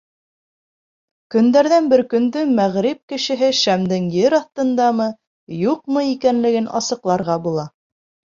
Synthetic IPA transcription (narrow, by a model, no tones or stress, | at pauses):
kɵ̆nd̪æɾðænbɘɾkɵ̆nd̪ɵmæʁɾip̚kɘ̆ʃɘ̆ɦɘʃæmd̪ɘŋjɘɾɑθt̪ɤ̆nd̪ɑmɤ | juqmɤikænlɘ̆ɡɘnʔɑ̰sɤ̆qlˠɑɾʁɑbulˠɑ